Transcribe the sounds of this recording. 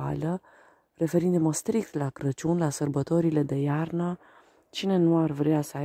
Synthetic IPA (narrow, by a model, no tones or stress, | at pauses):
a̰lə | re̞fe̞ɾind̪uməst̪ɾik̚t̪lakɾət͡ʃunlasərbət̪o̞ɾile̞d̪e̞jarnə | t͡ʃine̞nuarvɾeasəa